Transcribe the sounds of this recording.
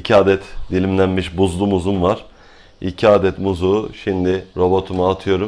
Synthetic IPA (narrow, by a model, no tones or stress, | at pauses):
icʰiaːd̪ɛt̪d̪ilʲimlʲænmiʃbuzlˠumuzumvaɾ̥ | icʰiaːd̪ɛt̪muzuːʃimd̪ɪɾo̞bo̞t̪ʰumɯat̪ʰɯjo̞ɾum